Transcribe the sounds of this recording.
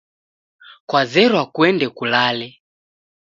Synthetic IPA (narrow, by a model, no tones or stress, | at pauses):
kwazɛɾwakuɛndɛkulalɛ